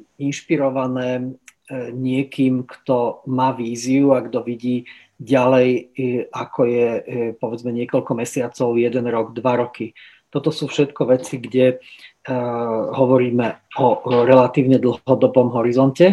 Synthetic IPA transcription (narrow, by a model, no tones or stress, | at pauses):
inʃpiɾɔʋanɛː | ɲɪɛkiːmkt̪ɔmaːʋiːziuaɡd̪ɔʋiɟiː | ɟalɛjakʰɔjɛpɔʋɛd͡zmɛɲɪɛkɔlkɔmɛsɪat͡sɔʊjɛd̪ɛnɾɔɡd̪ʋaɾɔki | t̪ɔt̪ɔsuːfʃɛt̪kɔʋɛt͡siɡɟɛ | ɦɔʋɔɾiːmɛɔɾɛlat̪iːʊɲɛd̪l̩ɦɔd̪ɔbɔmɦɔɾizɔncɛ